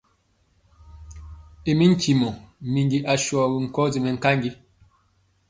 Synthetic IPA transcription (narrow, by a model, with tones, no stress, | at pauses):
e˨mi˦ŋ̩˦kʰi˨mɔ˨mi˨ŋɡi˦ʔa˨ʃwɔ˨ɡi˨ŋ̩˨kɔ˦zi˨mɛ˨ŋ̩˨ka˦ŋɡi˦